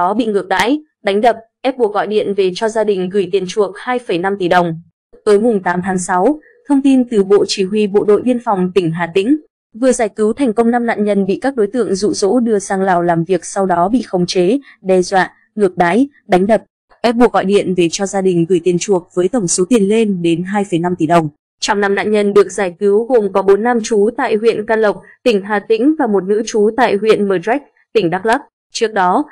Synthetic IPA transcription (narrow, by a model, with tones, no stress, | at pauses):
ɔ˨˦ɓḭ˧˨ŋɨ˨˩ək̚ɗa̰ː˧˥j | ɗa˨˦jŋ̟ɗə˨˩p̚ʔɛ˦˥p̚ɓu˧˩kɣɔ̰˧˨jɗḭ˧˨ənve˨˩t͡ɕɔ˧zaː˧ɗï˨˩ŋ̟ɣɨ˨˧˩jt̪i˨˩ənt͡ɕu˨˩ək̚haː˧jfə˧˩jna˧mt̪i˨˩ɗə˨˩wŋ͡m | t̪əː˨˦jmʊ˨˩ŋ͡mt̪aː˨˦mt̪ʰaː˨˦ŋsa˨˦w | t̪ʰə˧wŋ͡mt̪i˧nt̪ɨ˨˩ɓo̰˧˨t͡ɕi˧˩ɦwi˧ɓo̰˧˨ɗo̰˧˨jɓi˧ənfa˨˩wŋ͡mt̪ï˧˩ŋ̟ɦa̰ː˧˨t̪ï˧˥ŋ̟ | vɨ˨˩əzaː˧˩jkɨ˨˦wt̪ʰɛ˨˩ŋ̟kə˧wŋ͡mna˧mna̰ː˧˨nɲə˧˩nɓḭ˧˨kaː˦˥k̚ɗo˨˦jt̪ɨ̰˧˨əŋzṵ˧˨zo̰˧˥ɗɨ˧əsaː˧ŋlaː˨˩wlaː˨˩mvi˨˩ək̚sa˧wɗɔ˨˦ɓḭ˧˨xə˧wŋ͡mt͡ɕe˨˦ɗɛ˧zwa̰ː˧˨ | ŋɨ˨˩ək̚ɗa̰ː˧˥j | ɗa˨˦jŋ̟ɗə˨˩p̚ | ʔɛ˦˥ɓu˧˩ək̚ɣɔ̰˧˨jɗḭ˧˨ənve˨˩t͡ɕɔ˧zaː˧ɗï˨˩ŋ̟ɣɨ˨˩jt̪i˨˩ənt͡ɕu˨˩ək̚vəː˨˦jt̪ə˧˩wŋ͡mso˨˦t̪i˨˩ənle˧nɗe˨˦nɦaː˧jfə˧˩jna˧mt̪i˨˩ɗə˨˩wŋ͡m | t͡ɕɔ˧wŋ͡mna˧mna̰ː˧˨ɲə˧nɗɨ˨˩ək̚zaː˧˩jki˨˦wɣo˨˩mkɔ˨˦ɓo˨˦nːa˧mt͡ɕu˨˦t̪a̰ː˧˨jɦwḭ˧˨ənkaː˧lə˨˩wk͡p̚t̪ï˧˩ŋ̟ɦaː˨˩t̪ḭ̈˧˥ŋ̟vaː˨˩mo˨˩t̚nɨ̰˧˥t͡ɕu˨˦t̪a̰ː˧˨jɦwḭ˧˨ənməː˨˩zɛ˦˥k̚ | t̪ï˧˩ŋ̟ɗaː˦˥k̚laː˦˥k̚ | t͡ɕɨ˦˥ək̚ɗɔ˨˦